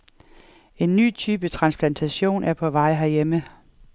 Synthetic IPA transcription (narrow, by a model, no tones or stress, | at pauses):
e̝nːy̰ːt͡sʰyːb̥ət͡sʰʁɑ̈nspʰlænt͡sʰæɕo̝̰ːnʔæɐpʰɒ̽ʋɑ̈ɪ̰ɦæɐjemə